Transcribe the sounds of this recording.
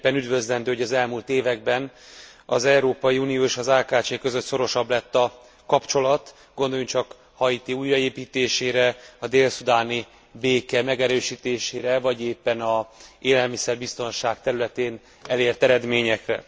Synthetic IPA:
pːɛnyd̪vø̞zlɛnd̪øːhoɟɒzɛlmult̪eːvɛɡ̚bɛn | ɒzɛuɾoːpɒjiunijoːeʃɒzaːkaːt͡ʃeːkø̞zø̞t̪so̞ɾo̞ʃɒblɛt̪ːɒ | kɒpt͡ʃo̞lɒt̪ | ɡ̥o̞nd̪o̞juŋt͡ʃɒk | hɒit̪iuːjrɒeːpiːt̪eːʃeːɾɛɒd̪eːlsud̪aːni | beːkɛmɛɡɛɾøːʃiːt̪eːʃeːɾɛvɒɟeːpːɛnɒeːlɛlmisɛrbist̪o̞nʃaːkt̪ɛɾylɛt̪eːn | ɛleːrt̪ɛɾɛd̪meːɲɛkrɛ̰

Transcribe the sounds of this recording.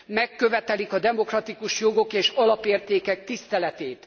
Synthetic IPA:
mɛkːø̞vɛt̪ɛlikɒd̪ɛmo̞krɒt̪ikuʃjo̞ɡo̞keːʃɒlɒpeːrt̪eːkɛk̚t̪ist̪ɛlɛt̪eːt̪

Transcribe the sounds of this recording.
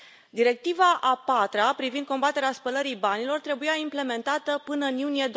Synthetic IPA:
d̪iɾe̞k̚t̪ivaʔapat̪ɾapɾivind̪̚ko̞mbat̪e̞ɾeaspələɾijbanilo̞rt̪ɾe̞bujaimple̞me̞nt̪at̪əpɨnəɨnjunijed̪

